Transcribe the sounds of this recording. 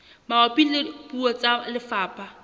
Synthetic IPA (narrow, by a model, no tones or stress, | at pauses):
maɔpʼilɪpʼuɔt͡sʼalɪfaːpʼa